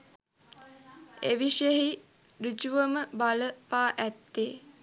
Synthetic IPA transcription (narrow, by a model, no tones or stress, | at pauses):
eʋiʃeɦi | rid͡ʒuʋəməbaləpaːʔæt̪ːeː